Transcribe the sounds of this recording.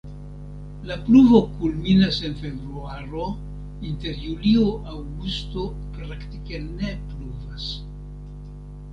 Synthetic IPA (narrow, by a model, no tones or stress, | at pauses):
lapluvo̞kulminase̞nfe̞vɾuaɾo̞ | inte̞ɾjulioʔawɡusto̞ | pɾaktike̞ne̞pluvas